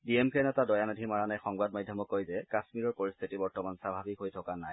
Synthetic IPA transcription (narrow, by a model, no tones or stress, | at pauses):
diemkʰɛnɛtadɔjanodʱimaɹanajxɔŋbad̚majdʱjɔmɔkːojzɛkasmiɹɔɹpoɹist̪ʰitibɔɹtɔmansabʱabikɦojtʰɔkanaj